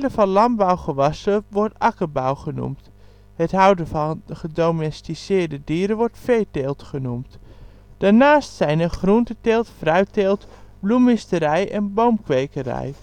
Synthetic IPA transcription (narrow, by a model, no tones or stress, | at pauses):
ləfɑnlɑnbawχəʋɑsəʋɔɹtɑkəbawχənṵmt | hətɦʌwdəvɑnχədowmɛstisɪːɹdədiːɾəʋɔɹtfejtelˠtχənumt | d̥aːɹnaːstsɛjnəχruntəteːlˠtfrœɥteːlˠtblumɪstəɾɛjʔɛnbowmkʋejkərɛ̰j